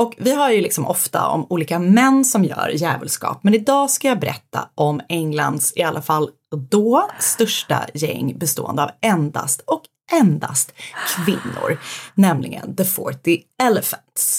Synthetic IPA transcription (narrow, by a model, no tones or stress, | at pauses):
ʔɔkvɪɦaɾjɵlɪksɔmʔɔft̪aɔ̰muːliːkamɛnːsɔmjœ̰ːɾjɛːvəlskɑ̰ːp̚mɛnɪd̪ɑːskajɑːbɛɾʔɛt̪ːa̰ʔɔmɛŋland̪sɪalʔafal | d̪ɔːst̪ɵʂʈajɛŋːbɛst̪oːɛ̰nd̪əavɛnd̪a̰st̪ɔk | ʔɛnd̪ast̪kʰvɪnːʊ̰ɾnɛmlɪɡə̰nd̪əfɔʈɪ | ɛlɛfənt̪s